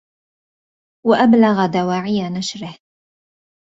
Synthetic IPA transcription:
waʔablaɣad̪awaːʕɪjanaʃɾɪh

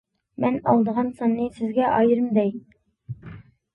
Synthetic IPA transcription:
mɛnɑ̰lˠd̪əʁɑnsɑnːɨsɪzɡʲɛʔɑjɨɾɨmd̪ɛj

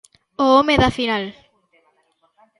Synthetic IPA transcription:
oomeðafinal

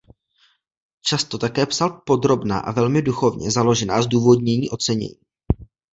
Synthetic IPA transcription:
t͡ʃast̪o̞t̪akɛːpsalpo̞d̪ɾo̞bna̰ːʔa̰vɛlmɪduxo̞vɲɛ̰zalo̞ʒɛnaːzduːvo̞dɲɛɲiːʔo̞t͡sɛɲɛ̰ɲiː

